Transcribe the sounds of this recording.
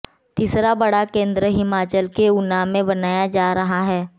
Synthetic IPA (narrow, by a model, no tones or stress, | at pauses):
t̪iːsɾabɐɽakẽːnd̪ɾəɦɪmaːt͡ʃəlkeʊnaːmẽbɐnaːjad͡ʒaːɾɐɦaɦɛː